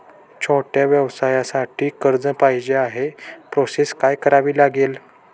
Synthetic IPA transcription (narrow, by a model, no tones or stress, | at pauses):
t͡ɕʰoʈjaʋjəʋsajasaʈʰiːkəɾd͡zəpajd͡ʑeaɦepɾoseskajkəɾaʋiːlaɡel